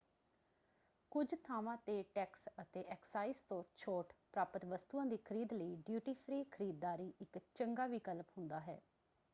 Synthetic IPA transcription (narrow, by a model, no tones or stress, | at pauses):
kʊd͡ʒt̪ʰaːʋãːt̪eːʈɛːksət̪eːʔɛːksaːiːst̪õːt͡ʃʰoːʈpɾaːpət̪ʋəst̪uːãːd̪iːkʰəɾiːd̪ləiːɖjuːʈiːpʰɾiːkʰəɾiːd̪ːaːɾiːʔɪkt͡ʃəŋɡaːʋikəlpɦʊ̃nd̪aːɦɛ̰ː